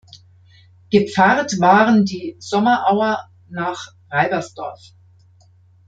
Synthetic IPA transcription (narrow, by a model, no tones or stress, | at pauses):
ɡ̥əp͡faʁtv̥aːʁəndiːz̥ɔmɐʔaʊɐ | naːχ | ʁaɪbɐsd̥ɔɐf